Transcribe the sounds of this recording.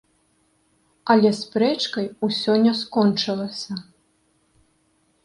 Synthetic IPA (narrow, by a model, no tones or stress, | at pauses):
ɐlʲɛspɾɛt͡ʂkɐjusʲɔnʲːɛskɔnt͡ʂɨlˠɐsʲɐ